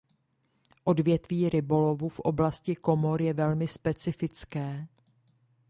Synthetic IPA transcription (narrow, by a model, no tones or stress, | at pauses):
ʔo̞dvjɛt̪viːɾɪbo̞lo̞vufʔo̞̰blascɪko̞mo̞ɾjɛvɛlmɪspɛt͡sɪfɪt͡skɛː